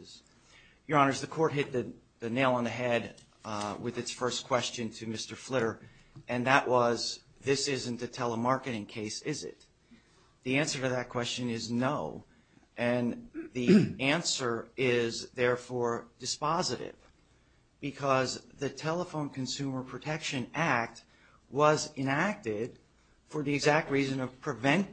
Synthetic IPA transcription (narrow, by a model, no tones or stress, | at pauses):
z̥ | jə˞ɑ̃nə˞zðɨkʰɔɹt̚ɦɪt̪̚ðɨ | ðɨneɪlˠə̃nðɨɦɛd̚ | wɪðɨtsfɜ˞skʰw̥ɛst͡ʃɨ̃ntʰɨmɪstə˞flɪɾə˞ | ʔɨ̃nðəʔwʔʌz | ðɪsɪzɨ̃n̩tɨtʰɛlˠəmɑɹkɨɾɪ̃ŋkʰeɪsɪzɪ̰t̪̚ | ðiæ̃nsə˞ɾɨðɨt̚kʰw̥ɛst͡ʃɨ̃nɪznoʊ | ʔɨ̃nðiæ̃nsə˞ɪzðɛɹfɔɹdɨspɑzɨɾɪ̰v | bɨkʰʌzðɨtʰɛlˠəfõʊ̃nkʰɨ̃nsʉmə˞pʰɹ̥ɨtʰɛkʃɨ̃næk̚t̚ | wʌzɨ̃næk̚tɪd̥̚ | fə˞ðiɨɡzæk̚t̚ɹizɨ̃nʌv̥pʰɹ̥ɨvɛ̃n